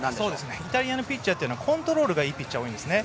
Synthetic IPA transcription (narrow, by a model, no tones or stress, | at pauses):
sso̞ːd̪e̞sɨneit̪aɾʲiano̞pʲit͡ɕt͡ɕːat̪ejɯnoakʰõ̞nt̪o̞ɾo̞ːɾɯ̟ɡaiːpʲit͡ɕːaoːĩnd̪e̞sɨne̞